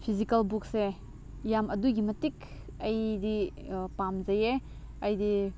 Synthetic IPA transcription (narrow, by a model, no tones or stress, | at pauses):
pʰizikɐlbuk̚se | jamʔɐduɡimɐtik | ɐjdi | pamzɐje | ɐjdi